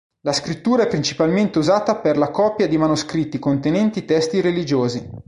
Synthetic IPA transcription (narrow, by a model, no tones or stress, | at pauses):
laskɾit̪ːuːɾaɛpːɾint͡ʃi̥palment̪euzaːt̪aperlakɔpːjad̪imanoskɾit̪ːikont̪enɛnt̪it̪ɛst̪iɾelid͡ʒoːzi